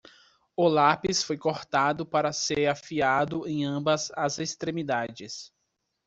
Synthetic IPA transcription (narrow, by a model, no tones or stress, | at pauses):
ʊlapisfojkoɾt̪ad̪ʊpaɾɐseɾafiad̪ʊẽj̃ɐ̃bɐzɐzest̪ɾẽmid̪ad͡ʒɪs